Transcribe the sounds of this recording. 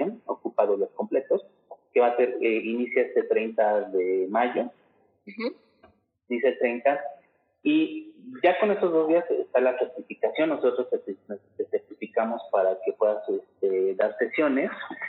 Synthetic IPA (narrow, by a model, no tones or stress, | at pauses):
ono̞̰kupaðoiasko̞mple̞t̪o̞s | ke̞βase̞ɾeinisjoest̪et̪ɾe̞jnt̪aðe̞maʝo̞ | niset̪ɾejnt̪a | iɟ͡ʝako̞ne̞st̪ozðo̞zðiasḛst̪alaseɾt̪ifikasjo̞nːo̞so̞t̪ɾoset̪it̪eseɾt̪ifikamo̞spaɾake̞pwe̞ðasest̪eðaɾse̞sjo̞ne̞s